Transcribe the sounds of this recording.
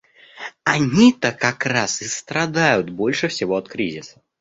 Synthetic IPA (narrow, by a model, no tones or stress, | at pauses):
anʲit̪ɐkːakɾasɨst̪ɾɐd̪ajʊt̪bɔlʲʂɨfsʲɪvɔɐt̪kɾʲizʲɪsɐ̥